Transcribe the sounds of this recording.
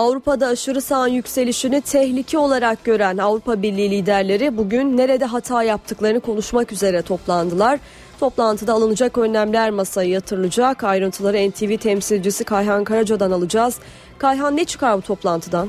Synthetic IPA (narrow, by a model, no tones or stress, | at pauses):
avɾupad̪aːʃɯɾɯsanjycʲse̞lʲiʃinyt̪ʰɛhlʲicʰio̞lˠaɾak̚ɟø̞ɾænavɾupabiɾlʲiːlʲiːd̪æɾlʲe̞ɾibuɟynːe̞ɾe̞d̪ɛɦat̪ʰaːjap̚t̪ʰɯklˠaɾɯnɯkʰo̞nuʃmakyze̞ɾɛt̪ʰo̞plˠand̪ɯlˠaɾ̥ | t̪ʰo̞plˠant̪ʰɯd̪aːlˠɯnɯd͡ʒakø̞nːæmlʲæɾmasajɯjat̪ʰɯɾɯlˠɯd͡ʒakajɾɯnt̪ʰɯlˠaɾɯɛnt̪ʰivit̪ʰɛmsilʲd͡ʒisikʰajɦankaɾad͡ʒad̪analˠɯd͡ʒaːz̥ | kʰajɦanːet͡ʃʰɯ̥kaɾbut̪ʰo̞plˠant̪ʰɯd̪an